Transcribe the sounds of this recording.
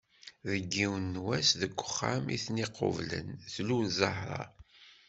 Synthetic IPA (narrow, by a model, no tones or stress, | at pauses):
ðəɡːiwnːwæsðəɡʷːə̥χːæmiθniqːo̰vlə̰nθluzˤɑɦɾˤɑ̰